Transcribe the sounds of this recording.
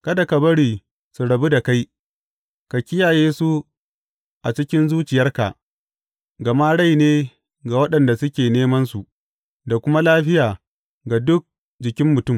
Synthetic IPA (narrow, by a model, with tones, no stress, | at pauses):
kɐ˦da˨ka˨bɐ˦ɽiː˨ | su˨ɽɐ˨bu˦da˨ka˦j | ka˨kʲɪ˦jaː˨jeː˦su˦ | ʔa˨t͡ʃɪ˦kʲɪ˦nzuː˦t͡ʃɪ˨jɐ˦rka̰˨ʔ | ɡɐ˨ma˦ɽa˦jneː˦ | ɡa˨wɐ˦ɗɐ˨nda˨sʊ˦kʲeː˨neː˦mɐ˦nsu˨ | da˨kʷʊ˦ma˦laː˦ɸɪ˦jaː˨ | ɡa˨dʊ˦k̚ | d͡ʒɪ˨kʲɪ˦mːʊ˨tʊ˦˨m